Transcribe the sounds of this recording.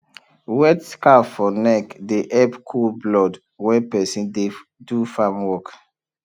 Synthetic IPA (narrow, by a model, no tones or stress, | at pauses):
wɛtskafɔnɛkdeʔɛpkʰulblɔd | wɛpɛsĩndedufamwɔk